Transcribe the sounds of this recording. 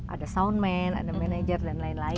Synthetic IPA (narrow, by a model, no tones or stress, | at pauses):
ʔa̰dəsawnmɛna̰dəmɛned͡ʒərdɛnlainla